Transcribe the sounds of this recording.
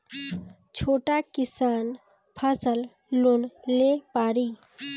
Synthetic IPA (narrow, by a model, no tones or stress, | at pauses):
t͡ʃʰoːʈakɪsaːn | pʰəsəl | lonlepaːɾiː